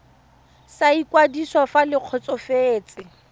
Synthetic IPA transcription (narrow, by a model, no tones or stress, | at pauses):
saikwadisɔfalɪq͡χʰɔt͡sʼɔfeːt͡sʼɪ